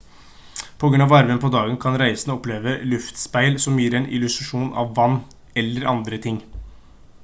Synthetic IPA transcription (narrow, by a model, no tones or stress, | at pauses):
pʰɔɡɾʉnɑʋɑɾʋənpʰɔd̪ɑːɡənkʰɑnɾæɪsənəɔpleːʋəlʉft̪spæɪlsɔmjiːɾɛnʔɪ̰lʉst̪ɾɑʂuːnʔɑ̰ʋːɑnː | ɛlːəɾɑnd̪ɾət̪ʰɪŋː